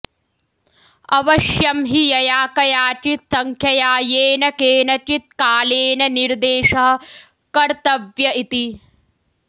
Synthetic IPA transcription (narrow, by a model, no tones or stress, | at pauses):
ɐʋɐʃjɐmɦijɐjaːkɐjaːt͡ʃit̪sɐŋkʰjɐjaːjeːnɐkeːnɐt͡ʃit̪̚kaːleːnɐniɾd̪eːʃɐɦɐ̆ | kɐɾt̪ɐʋjɐit̪i